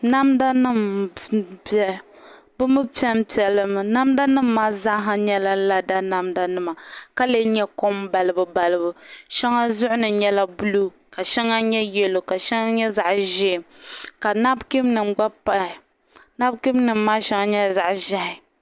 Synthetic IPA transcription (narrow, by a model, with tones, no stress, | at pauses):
na˦mda˦nɨ˦m | bɛ˦˨ | bɨ˦mɨ˦pi˦ɛ˦m˦pi˨ɛ˨lɨ˦mɨ˨na˦mda˦nɨ˦mːaː˦za˦ʔɦa˨ɲɛ˦la˦la˦da˦na˦mda˦nɨ˦ma˨ka˦le˦ɲɛ˦ko˦m˦ba˨lɨ˦bɨ˨ba˨lɨ˦bɨ˨ʃɛ˦ŋa˦zʊ˦ʔʊ˦nɨ˨ɲɛ˦la˦bu˦lu˦ | ka˨ʃɛ˦ŋa˦ɲɛ˦jɛ˦lo˨ka˨ʃɛ˦ŋa˦ɲɛ˦za˨ʔʒɪ˦˨mka˨na˦bki˦mnɨ˨mɡ͡ba˦pa˦ɪ˨ | na˦bki˦mnɨ˨mːaː˦ʃɛ˦ŋa˦ɲɛ˦za˨ʔʒa˦hɪ˨